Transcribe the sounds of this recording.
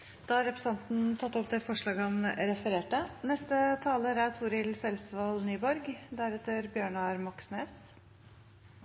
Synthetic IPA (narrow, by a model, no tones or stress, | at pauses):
d̪̥ɑːhɑɾɛpɾəsɑnt̪n̩t̪ʰɑt̪ːɔp̚d̪ɛfɔʂɭɑːɡəɑnɾɛfəɾeːʈənɛst̪ət̪ʰɑːləɾæt̪ʰuːɾɪlsɛlsʋɑlnyːbɔɾɡd̪æɾɛt̪əɾbjøːɳɑɾmɑksneːs